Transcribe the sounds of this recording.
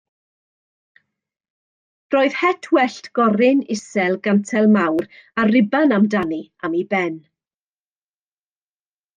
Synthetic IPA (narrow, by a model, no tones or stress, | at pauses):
roːɨð̥hɛtʰwɛɬtɡ̥ɔɾɪnɪsɛlˠɡantʰɛlˠmawɾarɪbanamdaniamibɛn